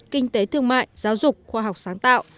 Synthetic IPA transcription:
kï˧ŋ̟t̪e˨˦t̪ɨ˧əŋma̰ː˧˨jzaː˨˦wzʊ˨˩k͡p̚xwaː˧ɦa˨˩wk͡p̚saː˨˦ŋt̪a̰ː˧˨wʔ

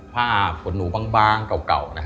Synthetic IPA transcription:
pʰaː˥˩fʰo˨˩˦nːuː˩˦baː˧ŋbaː˧˩ŋka˨˩wka̰˨˩wna˦˥k

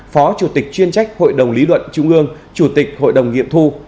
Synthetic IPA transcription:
fɔ˨˦t͡ɕu˧˩t̪ï˨˩k̚t͡ɕwi˧ənt͡ɕa˦˥jk̟̚ho̰˧˨jɗə˨˩wŋ͡mli˨˦lwə̰˧˨nt͡ɕʊ˧˦ŋ͡mʔɨ˧əŋ | t͡ɕu˧˩t̪ï˨˩k̟̚ho̰˧˨jɗə˨˩wŋ͡mŋḭ˧˨əmt̪ʰu˧

